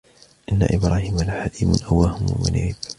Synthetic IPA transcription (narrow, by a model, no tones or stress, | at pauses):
ʔɪnːa̰ʔɪbɾaːhiːmalaħad̪iːmʊ̰nʔawːahʊmʊ̰ma̰niːb